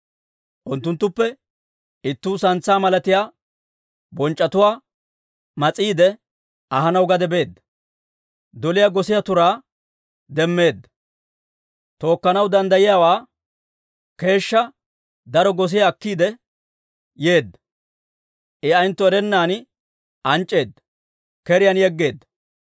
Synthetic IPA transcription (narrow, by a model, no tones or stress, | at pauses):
ʔʊnt̪ːʊnt̪ːʊpːɛ | ɪt̪ːuːsɐnt͡sːaːmɐlɐt̪ɪjaː | bɔnt͡ʃʼːɐt̪ʊwaː | mɐt͡sʼːiːd̪ɛ | ɐɦɐnɐwɡɐd̪ɛbe̞ːd̪ːɐ | d̪ɔlɪjaɡɔsɪjat̪ʊɾaː | d̪ɛmːe̞ːd̪ːɐ | t̪o̞ːkːɐnɐwd̪ɐnd̪ɐjɪjaːwaː | ke̞ːʃːɐ | d̪ɐɾɔɡɔs̬ɪjɐːkːiːd̪ɛ | jeːd̪ːɐ̥ | ʔɪɐjnt̪ːʊɛɾɛnːaːn | ʔɐnt͡ʃʼːe̞ːd̪ːɐ | kɛɾɪjɐnjɛɡːe̞ːd̪ːɐ̥